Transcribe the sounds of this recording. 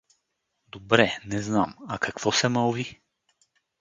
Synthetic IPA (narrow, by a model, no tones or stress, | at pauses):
d̪obɾɛnɛznamakakvɔsɛmalˠvi